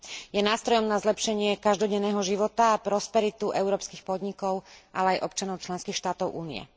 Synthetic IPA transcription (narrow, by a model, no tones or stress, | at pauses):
jɛnaːst̪ɾɔjɔmnazlɛpʃɛɲɪɛkaʒd̪ɔɟɛnːɛːɦɔʒiʋɔt̪aːpɾɔspɛɾit̪uʔɛʊɾɔːpskixpɔd̪ɲikɔʊʔa̰lɛajʔɔpt͡ʃanɔʊt͡ʃlɛnskiːxʃt̪aːt̪ɔʊʔuːniɛ̰